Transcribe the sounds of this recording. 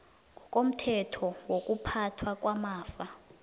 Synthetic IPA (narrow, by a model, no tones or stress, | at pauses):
ŋɡʱɔkʼom̩tʰɛtʰɔwok̬ʼupʰatʰwak̬ʼwamaːfa